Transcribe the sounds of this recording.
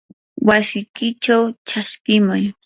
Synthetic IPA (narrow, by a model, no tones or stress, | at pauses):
wasɪjkɪt͡ʃawt͡ʃaskɪmʊj